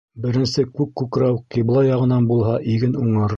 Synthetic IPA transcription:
bɘ̆ɾɘ̆nsɘkʉkːʉkɾɑwqʲiblˠɑjɑʁɤ̆nɑnbulˠɦɑʔiɡɘnuɴɤ̆ɾ

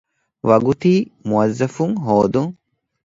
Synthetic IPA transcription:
ʋɐɡut̪iːmuɐzːɐfuŋɦoːd̪uŋ

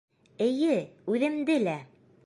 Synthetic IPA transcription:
ɘ̆jɘʉðɘ̆md̪ɘlæ

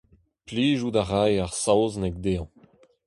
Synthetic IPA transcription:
pliːʒudaʁajaʁsawznɛk̚d̪eːɑ̃

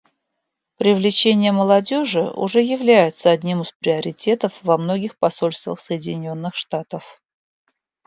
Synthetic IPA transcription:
pɾʲɪvlʲɪt͡ɕenʲɪjəməlˠɐdʲo̞ʐɨʔʊ̰ʐɛjɪvlʲæjɪt̪səɐdʲnʲimɨspɾʲɪɐɾʲɪtʲe̞t̪əfvɐmno̞ɡʲɪxpɐsolʲst̪və̰xsəjɪdʲɪnʲo̞nːɨxʂt̪at̪əf

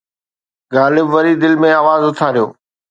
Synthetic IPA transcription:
ɡaːlɪbʋɐɾid̪ɪlmẽaːʋaːzʊt̪ʰaːɾijo̰ː

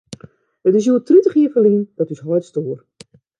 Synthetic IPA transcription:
ətɪsjuətritəχiːəfəliənd̥ɔtysɦɔjtstoːər

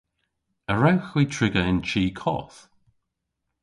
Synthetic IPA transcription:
əɹawxwiːtʰɹɪɡəɪnt͡ʃʰiːkʰɔ̰ːθ

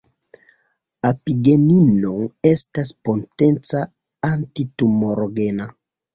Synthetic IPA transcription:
apiɡeninoestaspontent͡sa | antitumoɾoɡena

